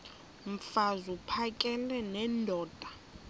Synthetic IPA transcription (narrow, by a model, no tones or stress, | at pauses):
m̩fazupʰakʼɛlɛnɛndʱɔːd̥ʱʼa